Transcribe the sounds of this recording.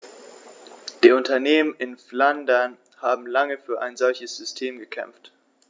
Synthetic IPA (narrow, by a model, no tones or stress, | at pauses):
d̥iːʊntɐneːmənʔɪnflandɐn | haːbm̩laŋəfyːɐʔa̰ɪnzɔlçəsz̥ʏstʰeːmɡəkʰɛ̰mft